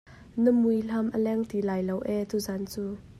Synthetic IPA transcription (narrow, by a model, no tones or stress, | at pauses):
nəmujɬɐmʔəlɛŋt̪ilajlowʔɛt̪uzant͡suː